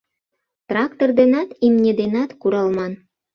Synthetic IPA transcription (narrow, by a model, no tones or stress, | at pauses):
t̪rɑkt̪ord̪enɑt̪imnʲed̪enɑt̪kuɾɑlmɑn